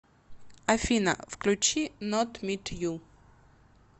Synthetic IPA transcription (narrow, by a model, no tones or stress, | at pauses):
ɐfʲinɐ̰fklʲʊt͡ɕinɔt̪mʲit̪ju